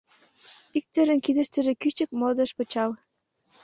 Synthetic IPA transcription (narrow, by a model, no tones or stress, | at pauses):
ik̚t̪ĕɾə̆nkid̪ə̆ʃt̪ə̆ʒĕkyt͡ɕə̆kmod̪ə̆ʃpɤ̆t͡ɕɑl